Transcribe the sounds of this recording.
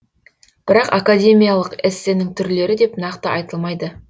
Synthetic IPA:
b̥ɪɾɑqakad̪ʲe̞mʲijalˠəqɪsːenɪŋt̪ʰʏɾle̞ɾɪd̪e̞pnɑqt̪əɑjt̪əlˠmɑjd̪ə

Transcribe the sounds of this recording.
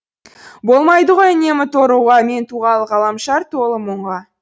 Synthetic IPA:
bo̞lˠmɑjd̪əʁo̞jne̞mɪt̪ʰoɾuʁɑme̞nt̪ʰuʁɑlˠəʁɑlˠɑmʃɑɾt̪ʰolˠəmʊɴʁɑ

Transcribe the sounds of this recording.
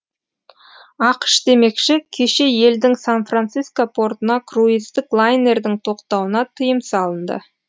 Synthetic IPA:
ɑqə̥ʃd̪e̞me̞kʃɪkʲʰe̞ʃe̞je̞ld̪ɪŋsanfrant̪siskopʰo̞rt̪ənɑkʰruist̪ɪklˠajne̞ɾd̪ɪŋt̪ʰo̞qt̪ɑwənɑt̪ʰəjəmsɑlˠənd̪ə̰

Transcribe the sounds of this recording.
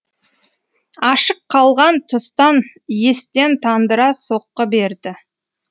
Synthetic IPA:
ɑʃəqʰːɑlˠʁɑnt̪ʰʊst̪ɑnje̞st̪e̞nt̪ʰɑnd̪əɾɑso̞qːəbe̞ɾd̪ɪ

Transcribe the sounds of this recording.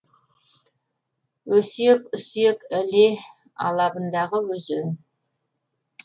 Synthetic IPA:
wɵsekʏsekæle | ɑ̰lˠɑbənd̪ɑʁəwɵzɵn

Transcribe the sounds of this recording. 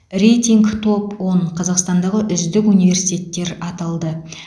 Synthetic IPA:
re̞jt̪ʲiŋɡt̪ʰo̞pwo̞ɴqʰɑzɑqst̪ɑnd̪ɑʁəʔʏzd̪ɪkunijve̞ɾsijt̪ʲe̞t̪ːe̞ɾɑt̪ɑlˠd̪ə

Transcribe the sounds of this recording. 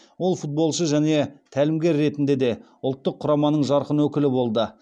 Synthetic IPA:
wo̞lˠfut̪̚bo̞lˠʃəʒæne̞t̪ʰælɪmɡʲe̞ɾːe̞t̪ɪnd̪e̞d̪e̞ | ʊlˠt̪ːəqʰːʊɾɑmɑnəɴʒɑɾqənwɵkʲɪlɪbo̞lˠd̪ə

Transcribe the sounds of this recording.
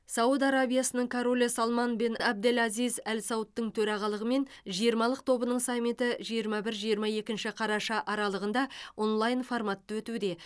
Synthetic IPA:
sɑwud̪ɑɾabijasənəɴkʰoɾolʲesalˠmɑnbenɑb̚d̪elʲɑzijzælsɑwt̪ːəɴt̪ʰɵɾɑʁɑlˠəʁəme̞n | ʒijəɾmɑlˠəq̚t̪ʰo̞bənəɴsamʲːit̪əʒijəɾmɑbɪɾʒijəɾmɑje̞kʲɪnʃɪqʰɑɾɑʃɑʔɑɾɑlˠəʁənd̪ɑo̞nlˠajnformat̪ːəwɵt̪ud̪e̞

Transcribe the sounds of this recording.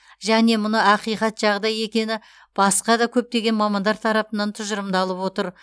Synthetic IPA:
ʒæne̞mʊnəɑqijqɑt̪ʒ̥ɑʁd̪ɑje̞kʲe̞nɪ | b̥ɑsqɑd̪ɑkʲʰɵp̚t̪e̞ɡʲe̞nmɑmɑnd̪ɑɾt̪ʰɑɾɑpənɑnt̪ʰʊʒəɾəmd̪ɑlˠəpwo̞t̪əɾ

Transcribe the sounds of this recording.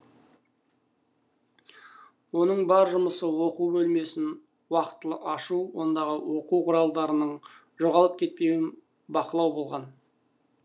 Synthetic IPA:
wo̞nəɴbɑɾʒʊməsəwo̞qubɵlme̞sɪn | wɑqə̥t̪ːəlˠəʔɑʃuwo̞nd̪ɑʁəwo̞quwqʰʊɾɑlˠd̪ɑɾənəɴ | ʒo̞ʁɑlˠəp̚kʲʰe̞t̪̚pe̞wɪn | bɑqəlˠɑwbo̞lˠʁɑn

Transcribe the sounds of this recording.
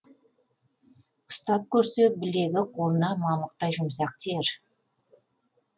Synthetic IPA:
ʊ̥st̪ɑp̚kʲʰɵɾse̞bɪle̞ɡʲɪqʰo̞lˠənɑmɑməq̚t̪ɑjʒʊmsɑq̚t̪ʰeɾ

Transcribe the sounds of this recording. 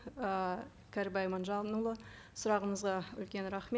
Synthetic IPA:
ə | kʲʰæɾbɑjmɑnʒɑnulˠə | sʊɾɑʁəməzʁɑʏlkʲe̞nɾɑχme

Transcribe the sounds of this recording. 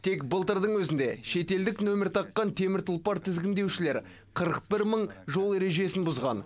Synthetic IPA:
t̪ʰe̞kbəlˠt̪əɾd̪əɴwɵzɪnd̪e̞ʃe̞t̪e̞ld̪ɪknomʲeɾt̪ʰɑqːɑnt̪ʰe̞mɪɾt̪ʰʊlˠpɑɾt̪ʰɪzɡʲɪnd̪e̞wʃɪle̞ɾ | qʰəɾəq̚bɪɾməɴʒo̞lˠe̞ɾe̞ʒe̞sɪnbʊzʁɑ̰n

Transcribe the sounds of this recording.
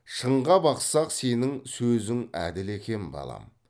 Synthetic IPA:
ʃəɴʁɑbɑqsɑqse̞nɪŋsɵzɪŋæ̰d̪ɪle̞kʲe̞nɪbɑ̰lˠɑ̰m

